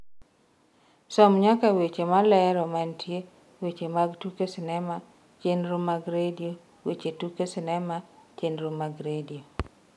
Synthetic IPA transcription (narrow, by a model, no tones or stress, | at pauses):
sɔmɲakawet͡ʃemalɛɾɔmantʰje | wet͡ʃemaɡtukesɪnɛma | t͡ʃenɾomaɡɾedio | wet͡ʃetukesɪnɛmat͡ʃenɾomaɡɾedio